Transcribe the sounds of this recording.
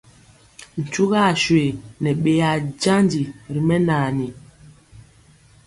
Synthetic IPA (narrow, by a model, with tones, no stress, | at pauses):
n̩˨t͡ʃu˦ɣa˦˨ʃwe˨nɛ˨ɓe˨˦ja˨d͡ʒa˦ndi˨ɾi˨mɛ˦naː˨ni˨